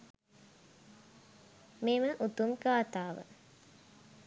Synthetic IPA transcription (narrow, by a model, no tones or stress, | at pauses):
meməʔut̪umɡaːt̪aːʋə̰